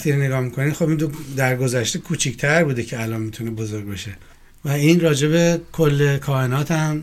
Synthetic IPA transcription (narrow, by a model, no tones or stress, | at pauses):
t̪iɾene̞ɡɒːhmikʰo̞niːxo̞bind̪od̪æɾɡo̞zæʃt̪ekʰuːt͡ʃʰict̪ʰæɾbuːd̪ecʰeælɒnmit̪ʰune̞bo̞zo̞ɾɡ̚beʃe̞ | væinrɒːd͡ʒe̞βe̞kʰolːekʰɒːhenɒːt̪ʰæm